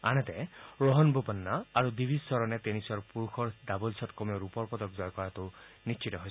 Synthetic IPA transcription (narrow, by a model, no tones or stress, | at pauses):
añɔt̪eɹɔɦɔnbupɔnːaaɾud̪ibʱissɔɾɔnet̪enisɔɹpuɾukʰɔɹd̪abɔlsʰɔtkɔmiɔɾupɔɹpɔd̪ɔkd͡ʒɔjɔkɔɹat̪unist͡ʃʰit̪ɔɦoj